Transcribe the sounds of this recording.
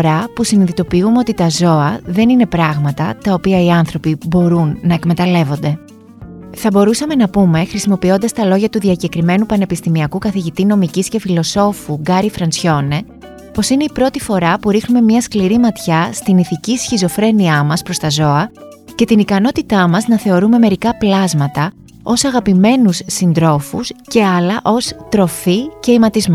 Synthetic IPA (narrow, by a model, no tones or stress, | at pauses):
ɾɐpusiniðit̪o̞piumeo̞t̪it̪ɐzo̞ɐðe̞nine̞pɾɐɣmɐt̪ɐt̪ɐo̞piɐiɐnθɾo̞pibo̞ɾunːɐe̞kme̞t̪ɐle̞vo̞nd̪e̞ | θɐbo̞ɾusɐme̞nɐpume̞xɾisimo̞pio̞nd̪ɐst̪ɐlo̞ʝɐt̪uðiɐce̞kɾime̞nupɐne̞pist̪imiɐkukɐθiʝit̪ino̞micisce̞filo̞so̞fuɡɐɾifɾɐnsço̞ne̞ | po̞sine̞ipɾo̞t̪ifo̞ɾɐpuɾixnume̞mɲɐskliɾimɐt̪çɐst̪iniθicisçizo̞fɾe̞niɐmɐspɾo̞st̪ɐzo̞ɐ | ce̞t̪inikɐno̞t̪it̪ɐmɐznɐθe̞o̞ɾume̞me̞ɾikɐplɐzmɐt̪ɐ | o̞sɐɣɐpime̞nusːind̪ɾo̞fusce̞ɐlɐʔo̞st̪ɾo̞fice̞imɐt̪izmo